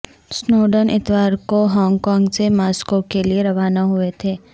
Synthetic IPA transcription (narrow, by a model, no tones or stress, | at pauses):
snoːɖənʔɪ̰t̪ʋaːɾkoɦɔ̃ːŋɡkɔ̃ːŋɡsemaːskokelieɾɐʋaːnaɦʊet̪ʰeː